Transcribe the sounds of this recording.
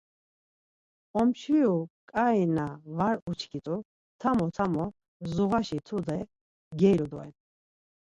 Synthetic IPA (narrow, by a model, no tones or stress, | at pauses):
ɔmt͡ʃʰɾiukʼaɛnavaɾut͡ʃʰkʰit̪ʼu | t̪ʰamɔt̪ʰamɔ | zuʁaʃit̪ʰud̪ɛ | ɡɛjɾud̪ɔɛ̰n